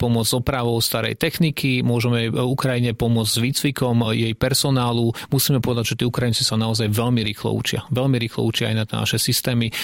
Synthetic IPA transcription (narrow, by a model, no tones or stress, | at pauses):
pɔmʊɔd͡zzɔpɾaʋɔʊst̪aɾɛ̰jt̪ɛxnikimʊɔʒɛmɛukɾajiɲɛpɔmʊɔd͡zzʋit͡sʋikɔmjɛjpɛɾsɔnaːlumusiːmɛpɔʋɛd̪aɟʒɛt̪iːukɾajint͡sisanaɔzajʋɛlmiɾiːxlɔ̰ṵt͡ʃɪa̰ʋɛlmiɾiːxlɔ̰ut͡ʃɪaa̰jnat̪na̰ʃɛsist̪ɛːmi